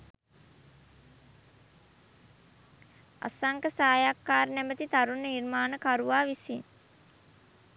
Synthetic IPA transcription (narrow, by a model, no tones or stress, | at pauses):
a̰saŋkəsaːjakːaːɾənæbət̪it̪aɾunːənirmaːnəkaɾuʋaːʋisin